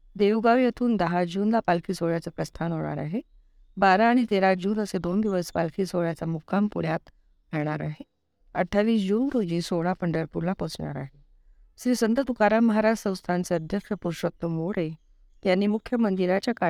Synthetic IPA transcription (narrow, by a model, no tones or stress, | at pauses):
d̪ewɡaʋjet̪ʰuːnd̪əɦad͡ʑuːnlapalkiːsoɭjat͡sepɾəst̪ʰanɦoɽ̃a̰ɾa̰ɦe | baɾaːɽ̃it̪eɾad͡ʑuːnəsed̪ond̪iʋəspa̰lkʰiːsoɭjat͡samukʰampuɽjat̪ | ɦɛɽ̃aɾaɦe | əʈʰːaʋiːsd͡ʑuːnɾod͡ʑĩːsoɽ̃apəɳɖəɾpuɾlapɔt͡sɳa̰ɾa̰ɦe | sɾiːsənt̪ət̪ukaɾaməɦaɾasə̃w̃st̪ʰant͡seəd̪ʱjəkʂəpuɾʂək̚t̪ːəmʋoɽe | t̪janːiːmukʰːjəmənd̪iɾat͡ɕjaka